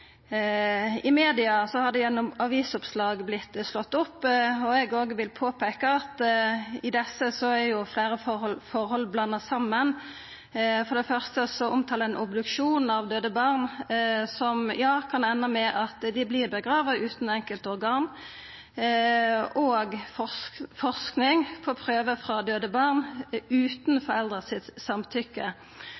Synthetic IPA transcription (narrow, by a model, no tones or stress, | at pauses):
ɪmeːd̪ɪɑsɔhɑɾd̪ɛɛnɔmɑʋiːsʊpslɑːɡblɪt̪ːslɔt̪ːʊpːɔɛɡoːɡəʋɪlpʰoːpʰeːkəɑt̪ɪd̪ɛsːəsɔɛɾjʊflæːɾəfɔɔlfɔɾhɔlblɑnːɑsɑmːən | fɔʁd̪ɛfœʁst̪əsɔʔʊmt̪ʰɑːləɛnʔʊbd̪ʉkʃuːnɑʋd̪øːd̪əbɑʁnsɔmjɑːkʰɑnɛnːəmɛʔɑt̪d̪ɪblɪːʁbəɡɾɑːʋɑʔʉːt̪n̩ɛŋkəlt̪ɔɾɡɑːn | oːɡɔfɔʁsknɪŋpʰɔpʰɾøːʋəfɾɑd̪øːd̪əbɑʁnʉːt̪n̩fɔɾɛld̪ʁəsɪt̪sɑmt̪ʰʏkːə